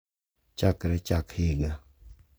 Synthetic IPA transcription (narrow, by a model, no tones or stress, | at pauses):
t͡ʃakɾɛt͡ʃakhɪɡa